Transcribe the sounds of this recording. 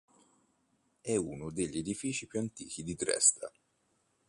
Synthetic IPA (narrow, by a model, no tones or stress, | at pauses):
ɛunʊd̪eʎːed̪ifiːt͡ʃipjuant̪ḭːk̟id̪id̪ɾɛ̰st̪ʰa̰